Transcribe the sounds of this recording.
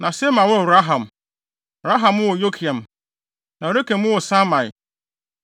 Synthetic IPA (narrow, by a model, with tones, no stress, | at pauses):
nã˨se˦mã˨wɔ˦˨ɾa˦ɦã˨m˨ | bɾa˦ɦã˨m˦wʊ˦wɔ˨jo˦kʰi˨a˨m | nã˨o˨ɾe˦kẽ˨m˦ʊ̃˦wɔ˨sa˦mã˨ɪ˨